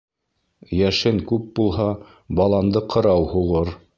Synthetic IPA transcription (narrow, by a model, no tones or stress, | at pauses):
jæʃɘŋkʉp̚bulˠɦɑ | bɑlˠɑnd̪ɤqʰɤ̆ɾɑwhuʁɤɾ